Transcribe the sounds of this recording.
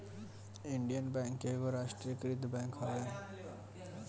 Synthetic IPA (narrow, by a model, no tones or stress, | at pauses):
iɳɖijənbɛŋkːeɡoɾaʃʈɾiekɾit̪bɛ̃ŋkɦɔɡa